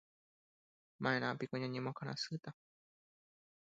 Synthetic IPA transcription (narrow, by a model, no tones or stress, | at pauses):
maenaːpikoɲaɲimokaɾã̰sɯt̪a